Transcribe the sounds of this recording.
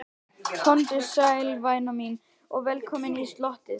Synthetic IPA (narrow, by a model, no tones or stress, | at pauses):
kʰɔnt̪ɪsajlvaːjnɔmin | ɔɣvɛlkʰɔːmɪnist̪lɔht̪ɪð